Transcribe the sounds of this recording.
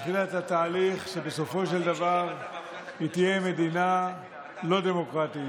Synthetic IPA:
χilat̪hat̪aːliχʃe̞be̞so̞fo̞ʃe̞ld̪avaʁ | it̪je̞me̞d̪ina | lo̞d̪e̞mo̞kʁat̪i

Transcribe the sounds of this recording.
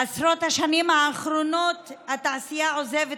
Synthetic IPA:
asɾo̞t̪haʃanimhaːχɾo̞no̞t̪hat̪aːsijao̞zeve

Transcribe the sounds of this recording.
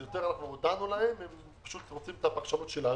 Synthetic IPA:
jot̪eʁanaχnuod̪anulahemem | pḁʃut̪ʁot͡simt̪apakʃamot̪ʃelan

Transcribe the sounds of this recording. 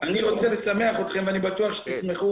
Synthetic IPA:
aniʁo̞t͡se̞lesame̞aχot̪χe̞mveanibat̪uaχʃe̥t̪ismeχu

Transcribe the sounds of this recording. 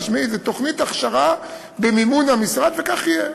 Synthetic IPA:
ʃmizet̪o̞χnit̪aχʃaʁa | bemimunamisʁad̪vekaχije

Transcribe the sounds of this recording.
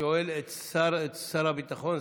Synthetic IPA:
oelet̪saɾet̪saɾabit̪aχon

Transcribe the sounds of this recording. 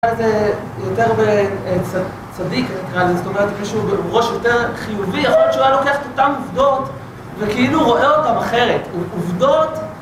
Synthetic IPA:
aleze | jote̞ʁbet͡sa | t͡sadikatakaʁalzezoto̞meʁetmiʃubebeʁo̞ʃjo̞te̞ʁχijuviaχolt͡ʃualo̞keaχe̥t̪otamuvdo̞t | vekiiluʁo̞ʔeo̞tamaχe̞ʁe̞tuuvdo̞t

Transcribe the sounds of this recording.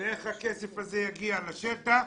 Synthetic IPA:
eχhakesefazejaɡialaʃet̪a

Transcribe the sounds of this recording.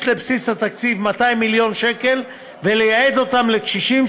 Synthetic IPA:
le̞bsisat̪akt͡sivmat̪aimːiljo̞nʃe̞ke̞l | vele̞jaed̪o̞t̪amle̞kʃiʃim

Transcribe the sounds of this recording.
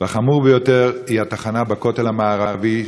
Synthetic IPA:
veχamuʁbejo̞t̪eʁihat̪aχanabako̞t̪elamaːʁavi

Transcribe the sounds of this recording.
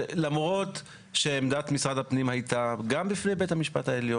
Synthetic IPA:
lamʁo̞t | ʃeːmd̪at̪misʁad̪apnimhajt̪aɡambifnejbethamiʃpa̰taeljo

